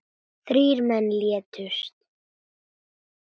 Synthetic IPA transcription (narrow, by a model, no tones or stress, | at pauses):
θɾiːɾmɛnːljɛt̪ʰʏst̪